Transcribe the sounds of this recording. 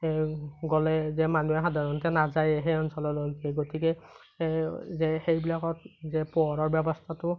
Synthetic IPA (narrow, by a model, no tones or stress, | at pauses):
ɡɔlɛzɛmanuɛxadʱaɹɔntɛnazajɛɦɛɔnsɔlɔloɡiɛɡotikɛ | zɛxejbilakɔt̚zɛpɔɔɹɔɹbɛbɔstʰatʊ